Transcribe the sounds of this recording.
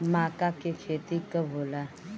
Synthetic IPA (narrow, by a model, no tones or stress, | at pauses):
makakekʰet̪ikəbʱola